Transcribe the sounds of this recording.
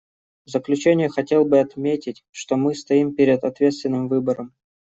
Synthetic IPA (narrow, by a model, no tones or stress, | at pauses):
vzəklʲʉt͡ɕenʲɪjəxɐtʲe̞lˠbɨɐt̪mʲetʲɪtʲʂt̪o̞mɨst̪ɐimpʲeɾʲɪd̪ɐt̪vʲe̞t̪st̪vʲɪnːɨmvɨbəɾəm